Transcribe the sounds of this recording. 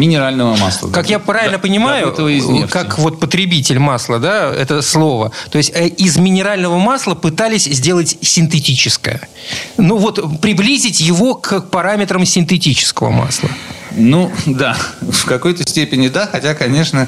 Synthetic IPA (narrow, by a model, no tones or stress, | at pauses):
mʲɪnʲɪɾalʲnəvəma̰slˠə̰kakjapɾavʲɪllʲnəpənʲɪmajʊt̪əvəɪznʲefkakvo̞t̪̚pət̪ɾʲɪbʲitʲɪlʲmaslˠəd̪aɛ̰t̪əslˠo̞vət̪o̞ɪsʲtʲəɪzmʲɪnʲɪɾalʲnəvəmaslˠəpɨt̪alʲɪsʲzʲdʲe̞lˠətʲsʲɪnt̪̬ɨtʲit͡ɕɪskə̰jə | nuvo̞t̪pɾʲɪblʲizʲɪtʲjɪvo̞kpɐɾamʲɪt̪ɾəmsʲɪnt̪ɨtʲit͡ɕɪ̥skəvə̰ma̰slˠə̰nud̪afkɐko̞jt̪əsʲtʲepʲɪnʲɪd̪axɐtʲakɐnʲe̞ʂnə